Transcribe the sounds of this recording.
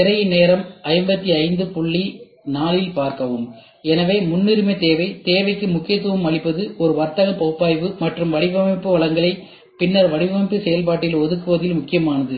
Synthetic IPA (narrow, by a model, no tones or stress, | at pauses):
ɪɾɐjneːɾɐmɐɪmbɐt̪ːiɐɪnd̪ɯpʊɭːi | naːlɪlpaːɾkɐʋɯm | ɛnɐʋeːmʊnːɪɾɯmɐɪt̪eːʋɐɪt̪eːʋɐɪkːɯmʊkːɪjɐt̪ːuʋɐmɐɭɪpːɐðɯɔɾɯʋɐɾt̪ɐɣɐpɐːpːaːjʋɯmɐʈrɯmʋɐɽɪbɐmɐɪpːɯʋɐɭɐŋɡɐɭɐɪ | pɪnːɐɾʋɐɽɪpɐmɪpːɯsɛjɐlp̬aːʈːɪjɪlɔðɯkːɯʋɐðɪlmʊkːɪjɐmaːnɐðɯ